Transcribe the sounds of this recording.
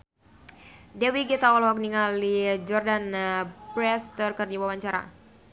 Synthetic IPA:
dɛwiɡit̪aɔlɦɔk̚niŋalid͡ʒɔrdanpɾɛst̪ərkərdiawawaɲt͡ʃaɾa̰

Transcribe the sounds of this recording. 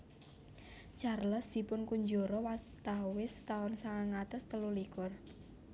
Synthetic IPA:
t͡ʃarləsd̪̥i̤pʊnkuɲd͡ʒoɾɔwat̪awɪst̪aʊnsaŋaŋat̪ʊst̪əlulikʊr

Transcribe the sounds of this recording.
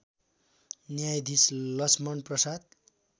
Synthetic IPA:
njajd̪islʌsmʌnprʌsad̪̚

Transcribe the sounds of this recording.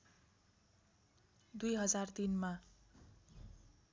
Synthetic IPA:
d̪ujɦʌd͡zart̪inma

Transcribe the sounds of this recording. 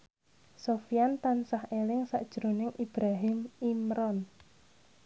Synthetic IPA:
sofijant̪ansahelɪŋsa̰ʔd̥ʒ̥ɾo̤nɪŋʔib̥ɾaɦɪmimɾɔn

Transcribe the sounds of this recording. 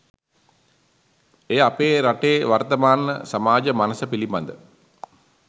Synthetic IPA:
eːapeːɾaʈeːʋart̪əmaːnːəsamaːd͡ʒəmanəsəpiliba̰nd̪ə

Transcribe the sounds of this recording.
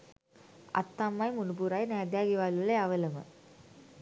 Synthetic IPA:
ɐ̰t̪ːaːmːaːjmʊnubuːɾaːjnaːd̪jaːɣiʋaːlɯlɐɐʋɐlɐmɐ̰

